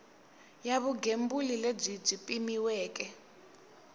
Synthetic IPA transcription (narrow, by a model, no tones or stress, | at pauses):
jaβuɡʱembulileb͡ʐib͡ʐipʼimiwɛːk̬ʼɛ